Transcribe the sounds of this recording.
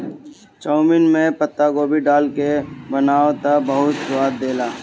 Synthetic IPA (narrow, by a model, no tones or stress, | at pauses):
t͡ʃɔːʊmɪnmẽpət̪ːaɡoːbʱiɖaːlkebənaːot̪abəɦʊt̪ʃʊaːd̪̚d̪eːlaː